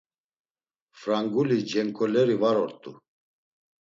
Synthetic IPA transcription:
fɾaŋɡulid͡ʒɛŋkʼɔlɛɾivaɾɔɾt̪ʼu

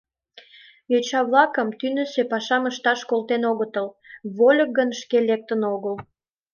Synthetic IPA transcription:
jøt͡ɕɑβlɑkəmt̪ynə̆sepɑʃɑməʃt̪ɑʃkolt̪enoɣət̪əl | βolʲək̚ɡənʃkelek̚t̪ənoɣəl

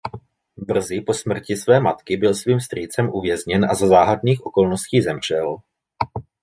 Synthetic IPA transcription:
br̩zɪpo̞smr̩cɪsvɛːmat̪kɪbɪlsviːmst̪ɾiːt͡sɛmʔuvjɛzɲɛnʔa̰zazaːɦadniːxʔo̞ko̞lnosciːzɛmr̝̥ɛl

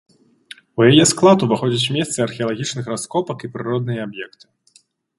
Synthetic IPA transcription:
ujajɛsklˠat̪uvɨxɔd͡zʲɐt͡sʲmʲɛst̪sɨarxʲɛɐlˠaɣʲit͡ʂnɨxraskɔpɐkipɾɨɾɔd̪nɨjɐabjɛkt̪ɨ̥

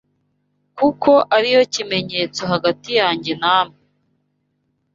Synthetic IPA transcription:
kuko̞ʔaɾijo̞cime̞ɲe̞ːt͡so̞ɦaɡatijaːɲɟe̞naːmi

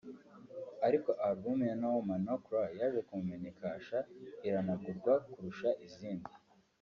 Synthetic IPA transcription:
aɾiko̞ʔaɾbumjenawomanokɾajaʒekumumeɲikaːʃaiɾanaɡuɾɡwakuɾuʃaʔiziːndi

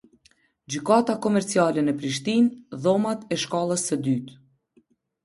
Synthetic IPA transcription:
d͡ʑykat̪akɔmɛɾt͡sialɛnəpɾiʃt̪inðɔmat̪ɛʃkalˠəsːəd̪yt̪

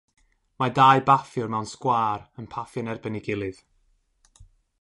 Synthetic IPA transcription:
madajbafjʊrmɛwnskwaːrənpʰafjɔnɛrbənɪɡɪlˠɨð̥

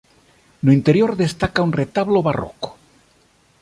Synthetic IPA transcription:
noint̪eɾjoɾðest̪akaunret̪aβloβaro̰ko̥

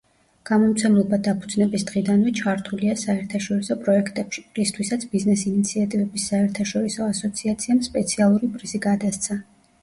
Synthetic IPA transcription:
ɡ̥amɔmt̪sʰɛmlˠɔbad̪apʰud̪znɛbisd̪ʁid̪anvɛt͡ʃʰaɾt̪ʰuliasaɛɾt̪ʰaʃɔɾisɔpʼɾɔɛkʰt̪ʼɛpʃi̥ɾist̪ʰwisat̪sʰbiznɛsinit̪sʰiat̪ʼivɛbisːaɛɾt̪ʰaʃɔɾisɔasɔt̪sʰiat̪sʰiamspʼɛt̪sʰialˠuɾipʼɾiziɡad̪ast̪sʰa

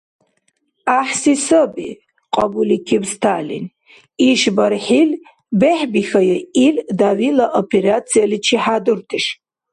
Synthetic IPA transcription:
aħsisɐbḭ | qʼɑbulikʲʰibst̪ʰalḭn | iʃbɐɾħil | beħbixɐjɛildawilɐʔopʰeɾat͡sʰijalit͡ʃʰiħadɨrtʰɨʃ

